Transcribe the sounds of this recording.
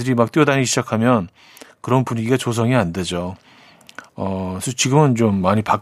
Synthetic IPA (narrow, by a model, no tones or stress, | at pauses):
dɯɾimak̚t͈jodaɲiɕʰid͡ʑakʰamjʌn | kɯɾʌnpuɲiɡiɡat͡ɕos̬ʰʌŋiande̞d͡ʑo | ʌsʰʌt͡ɕiɡɯmɯnt͡ɕomːaɲipak